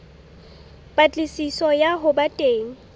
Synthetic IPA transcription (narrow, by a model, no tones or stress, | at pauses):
b̥ʼat͡ɬʼɪsisɔjaɦʊbatʼeːŋ̩